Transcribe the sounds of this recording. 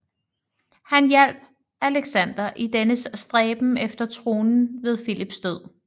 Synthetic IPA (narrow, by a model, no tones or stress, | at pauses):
hænjel̰b̥ | æleɡ̥sæn̰d̥ɐʔid̥enəssd̥ʁɛːb̥m̩efd̥ɐt͡sʰʁo̝ːnn̩ʋe̝ð̞ˠfilib̥sd̥øð̰ˠ